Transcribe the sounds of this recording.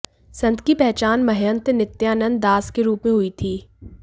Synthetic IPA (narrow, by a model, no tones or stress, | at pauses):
sɐ̃nt̪kipɛɦt͡ʃaːnmɐɦjə̃nt̪nɪt̪ːjaːnə̃nd̪ːaːskeɾuːpmẽɦʊit̪ʰiː